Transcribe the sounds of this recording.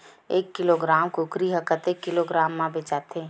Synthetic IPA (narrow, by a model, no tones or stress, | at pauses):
eːkːɪloːɡɾaːmkokɾiɦəkət̪eːkːɪloɡɾaːmːãbet͡ʃaːt̪ʰeː